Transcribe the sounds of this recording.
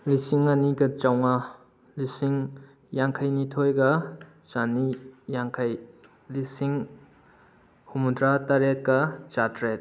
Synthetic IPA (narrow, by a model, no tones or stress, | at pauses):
lisiŋaniɡɐt͡ʃawŋɐ | lisiŋ | jaŋkʰajnitʰojɡɐ | t͡ʃanijaŋkʰaj | lisiŋ | humudɾataɾet̚kɐt͡ʃatɾet̚